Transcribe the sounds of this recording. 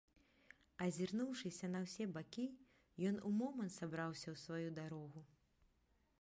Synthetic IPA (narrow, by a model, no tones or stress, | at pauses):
ɐzʲirnuwʂɨsʲɐnɐwsʲɛbakʲi | jɔnumɔmɐnt̪sabɾawsʲɐwsvajud̪aɾɔɣu